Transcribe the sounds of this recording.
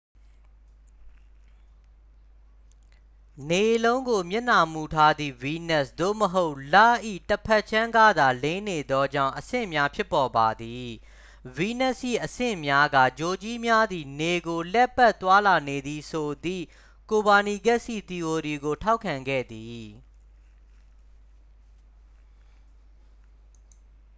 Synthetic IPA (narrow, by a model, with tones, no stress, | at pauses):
ne˨lõ˦ʊ̃ŋɡo˨mjɪ˦ʔna˨mu˨tʰa˦d̪ðḭ˦˨wi˦nɛ˦sd̥̪o̰˦˨məɦo˦ʊʔla˦˨ʔḭ˦˨təpʰɛ˦ʔ̚t͡ɕʰã˦ŋɡa˦˨d̪a˨lẽ˦ne˨d̪ɔ˦d͡ʑã̰˦˨ʊ̃ʔəsɪ̰̃˦˨mja˦pʰjɪ˦pːɔ˨ba˨d̪i˨ | wi˦nɛ˦˨sʔḭ˦˨ʔəsɪ̰̃˦˨mja˦ɡä̰˦˨d͡ʑo˨t͡ɕi˦mja˦d̪i˨ne˨ɡo˨lɛ˦pʰːɛ˦ʔt̪wa˦la˨ne˨d̪i˨sʰo˨d̪ḭ˦˨ | ko˨ba˨ni˨ɡɛ˦ʔsḭ˦˨t̪i˨o˨ɾi˨ɡo˨tʰa˦ʊkʰːã˨ŋɡɛ̰˦˨d̪i˨